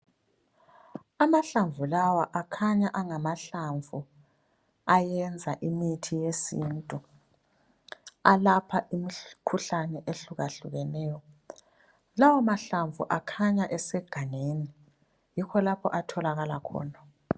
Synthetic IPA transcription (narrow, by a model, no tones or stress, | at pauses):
amaɬaɱvʱulawaʔakʰaɲaʔaŋamaɬaɱvʱu | ajɛnd͡zʱaʔimitʰijesintʼu | alapʰaʔimikʰuɬanɛʔeɬuɣaɬuɣɛnɛːjɔ | lawamaɬaɱvʱṵʔakʰaɲaʔɛsɛɡ̥ʱaŋeni | jikʰɔlapʰɔ̰ʔatʰɔlaɣalakʰɔ̰ːna